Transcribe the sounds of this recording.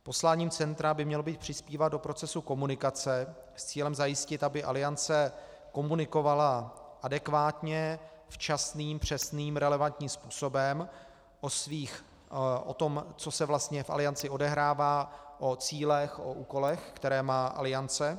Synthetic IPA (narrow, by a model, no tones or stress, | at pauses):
po̞slaːɲiːmt͡sɛnt̪ɾabɪmɲɛlobiːt̪̚pr̥ɪspiːvad̪do̞pɾo̞t͡sɛsuko̞munɪkat͡sɛ | st͡siːlɛmzajɪscɪt̪abɪʔa̰lɪjant͡sɛ | ko̞munɪko̞valaʔadɛkvaːt̪ɲɛft͡ʃasniːmpr̝̥ɛsniːmɾɛlɛvant̪ɲiːmspuːso̞bɛm | ʔosviːx | ʔo̰t̪o̞mt͡sosɛvlast̪ɲɛfʔa̰lɪant͡sɪo̞dɛɦɾaːvaːʔot͡siːlɛxʔo̰ʔuːko̞lɛxkt̪ɛɾɛːmaːʔa̰lɪant͡sɛ